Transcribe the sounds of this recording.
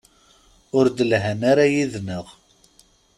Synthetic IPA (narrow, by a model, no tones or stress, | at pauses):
ʊɾd̪əlɦænaɾajiðnəʁ